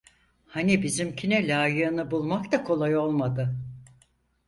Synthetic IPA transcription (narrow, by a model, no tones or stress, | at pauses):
hanibizimcʰinɛlʲaːjɯːnɯbulˠmakt̪akʰo̞lˠajo̞lˠmad̪ɯ